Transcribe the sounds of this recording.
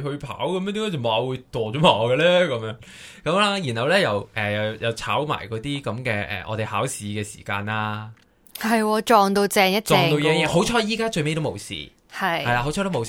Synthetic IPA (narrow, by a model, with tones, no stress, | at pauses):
hɵ˧pʰa̰ː˨˥wkɐ˨˧mɛ˥t̪i˧˥kːaː˥t͡sɐ˨˩maː˨˧wuː˨˧jt̪ɔː˨d͡ʒɔː˨˥maː˨˧ɡɐ˧lɛː˥kɐ˨˧˦mjœː˨˧˥ŋ | kɐ˨˥mlaː˧˥jiː˨˩nhɐ˨˧wlɛː˥jɐ˨wʔɛː˨˩jɐ˨˩jɐ˨˩wt͡sʰa̰ː˨˥wma̰ː˨˩jkɔː˨˥t̪iː˥kɐ˨˧˥mkɛː˧ʔɛ̰˨ʔɔ̰ː˨˧t̪e˨jhaː˨˥wsiː˨˧˥kɛː˧sḭː˨˩ka̰ː˧naː˧˥ | hɐ˨jwɔː˧t͡ʃɔː˨ŋt̪o˧wt͡sɛː˨˧ŋjɐ˥tt͡ʃɔː˨˧t̪o˧wjɛː˨˥jɛː˨˧˥ɦo˨˥wt͡ʃʰɔː˧jiː˨˥kaː˥t͡ʃɵ˧ɥme˥jt̪o˥mo̰˨˧wsḭː˨˩ | hɐ˨jhɐ˨jlaː˧ho˨˥wt͡ʃʰɔ˧˥t̪o˥mo˨w